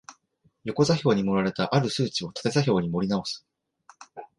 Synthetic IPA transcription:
jo̞ko̞zaçʲo̞ːɲ̟imo̞ɾaɾe̞t̪aʔaɾɯ̟sɨːt͡ɕio̞t̪ḁt̪e̞zaçʲo̞ːɲ̟imo̞ɾʲinao̞sɨ̥

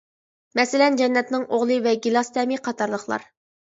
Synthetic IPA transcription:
mɛsɪlɛnd͡ʒɛnːɛt̪nɪŋʔoʁlˠɨvɛɡʲilˠɑst̪ʰɛmiqʰɑt̪ʰɑɾlˠəχlˠɑ̰ɾ

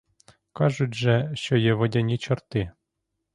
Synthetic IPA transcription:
kɑʐut̪ʲʒɛʃt͡ʃɔjɛʋɔdʲanʲit͡ɕɔrt̪ɪ

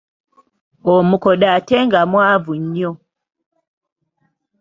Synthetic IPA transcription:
ɔmukɔɗatɛŋɡamwavuɲɔ

